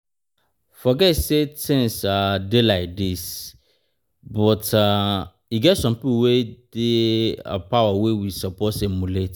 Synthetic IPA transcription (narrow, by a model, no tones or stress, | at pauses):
fɔɡɛtsetʰɪ̃nsadelaɪk̚dis | bɔtʰa | iɡɛtsɔ̃mpipuwed̥eə̰pʰawawewisɔpʰɔtsemulet